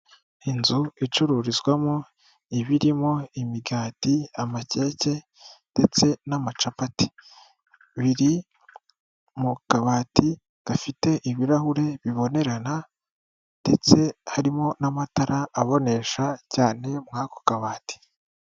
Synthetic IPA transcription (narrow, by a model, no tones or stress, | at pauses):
inzuit͡ʃuɾuɾizɡwamo | iβiɾimo̞imiɡaːtiamace̞ːce̞ | nd̥e̞t͡se̞namat͡ʃapati̥ | βiɾi | mukaβaːti | ɡ̥afite̞ʔiβiɾahuɾe̞βiβo̞ne̞ɾana | nde̞t͡se̞haɾimo̞namataɾaːβo̞ne̞ʃacaːne̞mŋaːko̥kaβaːti̥